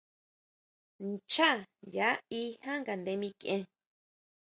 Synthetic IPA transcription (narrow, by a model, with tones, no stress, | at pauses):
nt͡ʃa˦˨ja˨˦i˦hã˦ŋɡa˨nd̪e˧mĩ˧kẽ˧